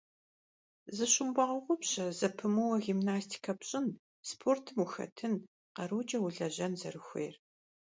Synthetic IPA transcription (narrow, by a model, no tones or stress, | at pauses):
zɨɕʼʊmbʷɑʁʊʁʷʊpɕʼɐzɐpʰɨmɨwɐɣimnaːstʰi̥kʰɐpɕʼɪn | spʰoːrtʰɨmuxɐ̰tʰɨn | qɐɾuːt͡ʃʼɐwʊɮɐʑɐnzɐ̰rɨxʷḛːr